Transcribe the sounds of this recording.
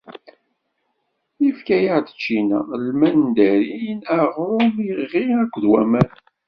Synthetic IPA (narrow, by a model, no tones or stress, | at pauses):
ifkæjaʕd̪ə̥t͡ʃːinæ̰lmænd̪æɾinæʁɾʊmiʁiækʷːðwæmæn